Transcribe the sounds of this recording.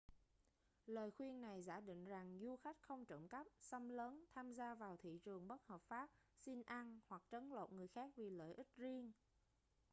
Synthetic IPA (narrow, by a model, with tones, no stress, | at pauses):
ləː˨˩jxwi˧ənna˨˩jza̰ː˧˩ɗḭ˧˨ŋ̟za˨˩ŋzu˧xa˦˥jk̟̚xə˧wŋ͡mt͡ɕə̰˧˩mka˦˥p̚sə˧mləː˨˦nt̪ʰaː˧mzaː˧vaː˨˩wt̪ʰḭ˧˨t͡ɕɨ˨˩əŋɓə˦˥t̚həː˨˩p̚faː˦˥p̚si˧nʔa˧nhwa˨˩k̚t͡ɕə˨˦nlo̰˧˨nŋɨ˨˩əjxaː˦˥k̚vi˨˩lə̰ː˧˨jʔi˦˥k̟̚zi˧əŋ